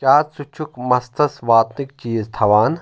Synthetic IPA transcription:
t͡ʃaːɾsut͡ʃʰukmɐst̪ʰɐsʋaːt̪nikt͡ʃiːzt̪ʰɐʋaːn

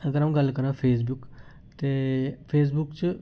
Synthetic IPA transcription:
əɡəɾam̃ɡɐlkəɾãːpʰeːs̬bʊk | t̪eːpʰeːs̬bʊkt͡ʃ

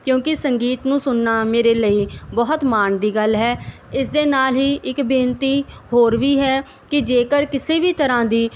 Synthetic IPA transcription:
kjõːkɪsəŋɡiːt̪nũːsʊnːaːmeːɾeːləiːbɔːət̪maːɳd̪iːɡəlɦɛː | ɪs̬d̪eːnaːlɦiːɪkbeːnt̪iːɦoːɾʋiːɦɛː | kɪd͡ʒeːkəɾkɪseːbiːt̪əɾãːd̪iː

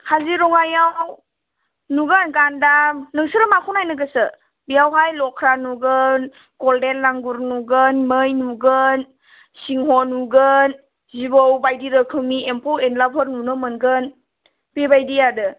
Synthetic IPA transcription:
haziɾɔŋajaw | nuɡanɡandamnɯŋsɯɾəmakʰunajnɯɡəsɯ | bijawɦajlɔkʰɾanuɡən | ɡɔldelːaŋɡuɾnuɡənməjnuɡən | siŋɦɔnuɡən | zibowbajdiɾɯkʰɯmiempʰowenlapʰɔɾnunɯmɯnɡɯn | bebajdijadɯ

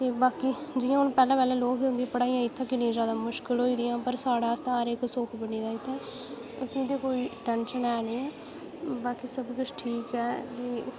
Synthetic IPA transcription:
t̪eːbaːkiːd͡ʒɪːãːʊñpɛːlãːpɛːlɛ̃ːloːkʊ̃nd̪iɛpəɽaːiːãːɪt̪ʰːãːkɪnĩːzjaːd̪aːmʊʃkɪlɦoːiːd̪ɪjãːpəɾsaːɽaːst̪ãəɾeksoːkʰbəɳiːd̪aːɪt̪ʰːɛ̃ː | əsĩːd̪eːkoːiːʈɛnʃənɛːneːɛː | baːkiːsəbkʊt͡ʃʰʈʰiːkɛːkeː

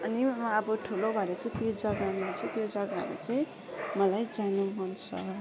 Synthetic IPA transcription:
ʌnimʌbʌʈʰulobʱʌɽat͡saĩt̪jod͡zʌɡamat͡sʌ̃t̪jod͡zʌɡa̰ɾṵt͡sʌĩ | mʌlajd͡zanuɦunt͡sʰʌ

